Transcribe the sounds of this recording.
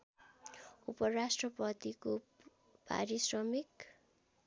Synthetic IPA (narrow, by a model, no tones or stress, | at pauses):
upʌrasʈrʌpʌt̪iko | pa̰ɾisrʌmik